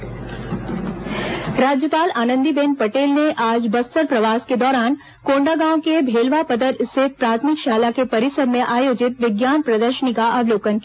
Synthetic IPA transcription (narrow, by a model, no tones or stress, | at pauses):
ɾaːd͡ʒjəpaːlaːnə̃nd̪ibẽːnpɐʈeːlneʔaːd͡ʒbɐst̪əɾpɾɐʋaːsked̪ɔːɾaːn | koːɳɖaɡãːw̃kebʱeːlʋapəd̪əɾɪset̪̚pɾaːt̪ʰmɪkʃaːlakepɐɾɪsəɾmẽʔaːjoːd͡ʒɪt̪ʋɪɡjaːnpɾɐd̪əɾʃənikaʔɐʋloːkənki